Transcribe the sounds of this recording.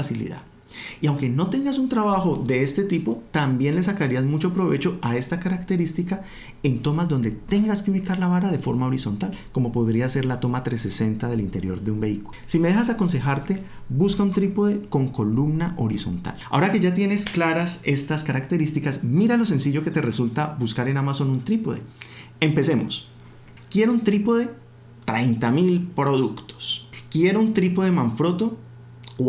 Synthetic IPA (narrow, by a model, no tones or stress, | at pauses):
asilḭða̰ | iawŋke̞no̞t̪e̞ŋɡasunt̪ɾaβaxo̞ðe̞est̪e̞t̪ipo̞t̪ambje̞nle̞s̬akaɾiazmut͡ʃo̞pɾo̞βe̞t͡ʃo̞ae̞st̪akaɾakt̪e̞ɾist̪ika | e̞nt̪o̞mazd̪o̞nd̪e̞t̪e̞ŋɡaskeuβikaɾlaβaɾaðe̞fo̞ɾmao̞ɾiso̞nt̪alko̞mo̞po̞ðɾiase̞ɾlat̪o̞mat̪ɾe̞se̞se̞nt̪aðe̞lint̪eɾjo̞ɾðeumbe̞ikulsimee̞xas̬ako̞ns̬e̞xaɾt̪e̞ | βuskaunt̪ɾipoðeko̞ŋko̞lumnaʔo̞ɾiso̞̰nt̪a̰la̰o̞ɾake̞ʝat̪je̞ne̞sklaɾase̞st̪askaɾakt̪e̞ɾist̪ikasmiɾalo̞s̬e̞nsiʝo̞ke̞t̪e̞re̞sult̪abuskaɾenamaso̞nunt̪ɾipoðḛ | empe̞se̞mo̞̰s | kje̞ɾount̪ɾipoðe̞ | t̪ɾejnt̪amilpɾo̞ðukt̪o̥skje̞ɾount̪ɾipoðe̞mãɱfɾo̞t̪o̞ | k